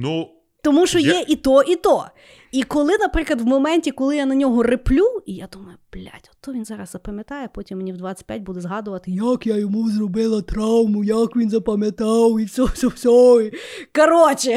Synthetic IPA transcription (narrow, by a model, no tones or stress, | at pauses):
nu | t̪ɔmuʃt͡ʃɔjjɛʔit̪ɔʔit̪ɔ | ikɔlˠɪnɐpɾɪklˠɐd̪ʋmɔmɛnʲtʲikɔlˠɪjanɐnʲɔɦɔrɪplʲuijad̪umɐjʊb̥lʲa̰tʲɔt̪ːɔʋʲinzɑɾɐzzɐpɐmʲjɐt̪ɑjɛpɔtʲimːenʲiwd̪ʋɑt͡sʲɐ̥tʲpʲjatʲbud̪ɛzɦɑd̪ʊʋɐt̪ɪjakjajɔmuzrɔbɪlˠɐt̪ɾɑwmʊjɐkʋʲinzɐpɐmʲɐt̪ɑwisʲɔsʲɔwsʲɔ | kɐɾɔt͡ʃɪ